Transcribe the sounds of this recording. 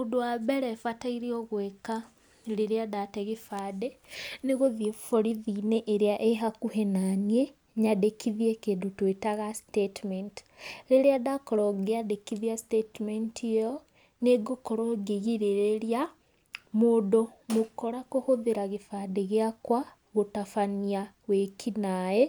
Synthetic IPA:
mondowabɛɾɛfataiɾiɔɣweka | ɾeɾeadatɛɣefaːdeneɣoðiefoɾiðineʔːɾeaʔeɦakuhenanie | ɲadekʰiðiekeːndotwetaɣastetmɛntɾeɾeaðakɔɾɔɡeadekiðiastetmentʰiɔ | neɡokɔɾɔɡeɣiɾeɾeɾja | moːdomokoɾakohoðiɾaɣefaːdeɣeakwa | ɣotafania | wekʰinaje

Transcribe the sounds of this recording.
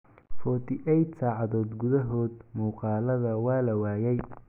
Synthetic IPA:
fɔːt̪ʰɪʔɛjt̪saːʕɑðɔːd̪ɡʊðɐɦɔːd̪̚muːqɑːlɐðɐwɑːlɐwaːjɛj

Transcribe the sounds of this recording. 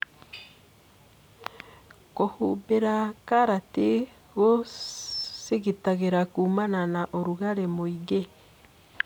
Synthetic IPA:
kohubeɾakaɾate | ɣo | siɣitaɣeɾakuːmananaʔoɾuɣaɾemoiɡe

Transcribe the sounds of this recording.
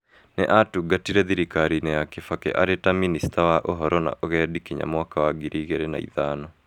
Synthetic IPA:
neʔatuɡatiɾɛðiɾikaɾinɛjakefakɛ̰ʔa̰ɾetaministawaʔoɦɔɾɔna̰ʔoɣɛdikiɲa̰mwakawaɡiɾiːɣeɾɛna̰ḭðaːnɔ

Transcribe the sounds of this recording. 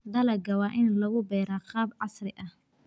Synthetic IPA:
d̪ɐlɐɡɐwɑːʔɪnlɐɣʊbɛːɾaːqɑːbʕɑsrɪʔɐh

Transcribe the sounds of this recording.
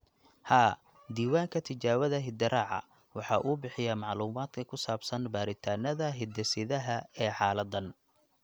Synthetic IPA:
haː | d̪iːwaːŋkʰɐt̪ʰɪt͡ʃaːwɐðɐɦɪd̪ɐɾaːʕɑ̰ | wɑħɑːʔuːbɪħɪjɐmɑʕluːmaːd̪kʰɐkʰʊsaːbsɐnbaːɾɪt̪ʰaːnɐðɐɦɪd̪ɛsɪðɐɦɐɛːħɑːlɐd̪ɐn

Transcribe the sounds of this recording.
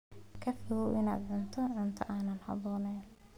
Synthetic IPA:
kʰɐfɪɣɔwʔɪna̰ːd̪ʕʊnt̪ʰɔʕʊnt̪ʰɐʔaːnɐnhɑ̰bɔːnɛjn

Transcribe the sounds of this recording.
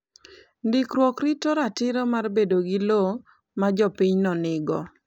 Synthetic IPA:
ndɪkɾwɔkɾɪtoɾatɪɾomarbedoɡɪlo | mad͡ʒɔpiɲnɔnɪɡɔ

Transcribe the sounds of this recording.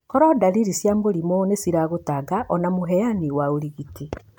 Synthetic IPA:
kɔɾɔdaɾiɾisjamboɾimonesiɾaɣotaɡaʔɔnamoɦɛjaniwaoɾiɣiti

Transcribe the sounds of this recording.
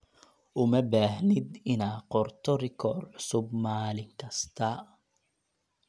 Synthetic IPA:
ʔʊmɐbaːɦnɪd̪ɪnaːqɔrt̪ʰɔrɪkʰɔːrʕʊsʊbmaːlɪŋkʰɐst̪ʰɐ

